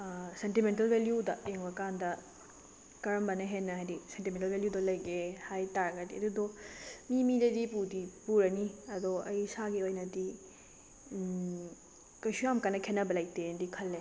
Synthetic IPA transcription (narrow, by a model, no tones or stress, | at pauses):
sentiment̬ɐlbʱeljudɐeŋbɐkandɐ | kɐɾɐmbɐnɐɦenːɐɦajdisentimentɐlbeljudɐlɐjɡehajtaɾɐɡɐdiɐdudomimidɐdipudipuɾɐniɐdoʔɐjsaɡiojnɐdi | kɐjsujamkanːɐkʰenɐbɐlajk̚teendikʰɐlːe